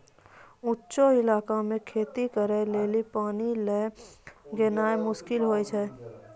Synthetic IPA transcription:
ʊtːʃoɪlaːkamẽkʰeːt̪ikəɾeleːlipaːnile | ɡenaːemʊʃkɪlɦoːjt͡ʃʰɛː

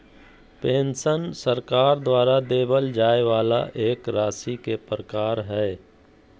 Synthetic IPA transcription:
pẽːnsənsəɾkaːɾd̪waːɾad̪eːbəld͡ʒaːeʋaːla̰ʔeːkɾaːsikepɾəkaːɾɦɛː

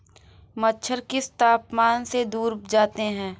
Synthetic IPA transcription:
mətːʃʰəɾkɪst̪aːpmaːnsed̪uːɾd͡ʒaːt̪eɦɛ̃ː

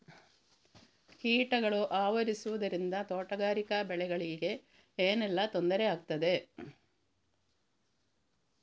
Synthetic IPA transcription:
hiːʈɐɡɐɭuʔaːʋɐɾisuʋɐd̪ɐɾind̪ɐt̪oːʈɐɡaːɾikɐbɛɭɛɡɐɭiɡe̞ | eːnɛlːɐt̪o̞nd̪ɐɾeaːɡ̚t̪ɐd̪e̞

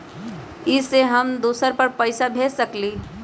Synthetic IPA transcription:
ɪseɦəmd̪oːsəɾpəɾpəɪsabʱeːsəkli

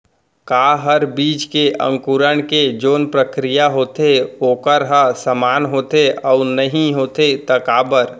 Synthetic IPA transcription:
kaːɦəɾbiːt͡ʃkeʔə̰̃ŋkuɾəɳ̃ked͡ʒoːnpɾəkɾijaɦoːt̪eoːkəɾɦəsəmaːnɦoːt̪eɔʊnəɦĩɦoːt̪et̪əkaːbəɾ

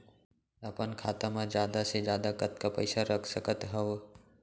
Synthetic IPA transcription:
əpənkʰaːt̪amãd͡ʒjaːd̪ased͡ʒjaːd̪akət̪kapəɪsaɾəkʰsəkət̪ɦəw

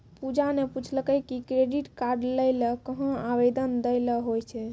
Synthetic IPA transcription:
pud͡ʒaneput͡ʃʰləkəjkikɾeɖiʈkaɾɖləjləkəɦə̃abed̪ənd̪əjləɦojt͡ʃʰɛ

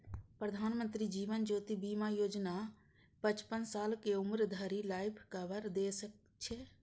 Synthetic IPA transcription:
pɾəd̪ʱaːnmə̃nt̪ɾid͡ʒiːʋənd͡ʒoːt̪ibiːmajoːd͡ʒna | pət͡ʃpənsaːlkeʊmɾd̪ʱəɾilaːɪpʰkəbəɾd̪esək | t͡ʃʰe

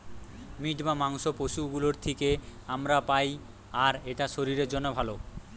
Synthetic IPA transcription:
miʈbamaŋʃopoʃuɡuloɾt̪ʰikeamɾapaj | aɾeʈaʃoɾiɾeɾd͡ʑonːobʱalo

